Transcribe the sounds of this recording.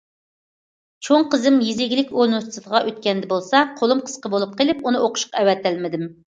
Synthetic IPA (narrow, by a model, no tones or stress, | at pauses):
t͡ʃʰoŋqəzɪmjizɪɡʲlɪkʲonust̪ʰɨd̪əʁɑʔøt̪kʲɛnd̪ɛbolˠsɑqʰolˠumqʰə̥sqəbolˠup̚qʰelɪpunɨoqʰʊ̥ʃqɑɛwɛt̪ːælmɪd̪ɪm